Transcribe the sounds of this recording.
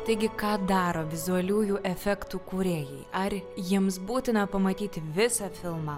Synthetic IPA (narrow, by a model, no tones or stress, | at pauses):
t̪ɐɪɡʲɪkɑːd̪ɑːɾoːʋʲɪzʊɐlʲuːjuːʔɛfʲɛkt̪uːkuːɾʲeːjɛɪɐrjiɛmsbuːt̪ʲɪnɐpɐmɐt̪ʲiːt̪ʲɪʋʲɪsɑfʲɪlˠmɑː